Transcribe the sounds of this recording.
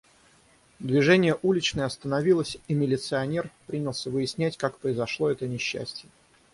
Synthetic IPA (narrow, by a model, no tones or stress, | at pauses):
d̪vʲɪʐɛnʲɪjəʔulʲɪt͡ɕnəjɐst̪ənɐvʲilˠəsʲimʲɪlʲɪt̪sɨɐnʲerpɾʲinʲɪlˠsʲəvɨɪsʲnʲætʲkakpɾəɪzɐʂlˠo̞ɛt̪ənʲɪɕːæ̰sʲtʲɪjə